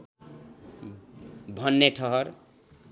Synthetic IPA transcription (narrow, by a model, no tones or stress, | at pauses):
bʱʌnːeʈʰʌɦʌɾ